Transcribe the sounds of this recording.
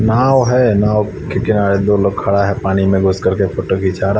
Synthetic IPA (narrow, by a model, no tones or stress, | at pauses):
naːwɦɛnaːw | kekɪnaːɾed̪oːloːɡ̚kʰːɐɽaɦɛpaːnimẽɡʱʊskɐɾkefoːʈoɡʱit͡ʃaːɾa